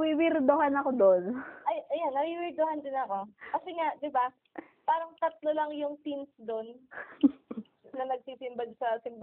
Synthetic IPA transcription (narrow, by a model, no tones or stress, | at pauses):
wiwɪɾd̪oɦanɐko̞d̪onɐjʔɐjanːɐwiwɪɾd̪ohand̪ɪnɐko̞kɐsɛŋaʔd̪ɪba | paːɾɐŋt̪ɐt̪̚lolɐŋjʊŋt̪insd̪o̞n | ɐnɐɡ̚siːsɪmbɐɡsɐsɪmb